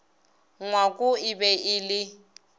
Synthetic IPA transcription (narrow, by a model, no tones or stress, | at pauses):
ŋwakʼuɪbɛɪːlɪ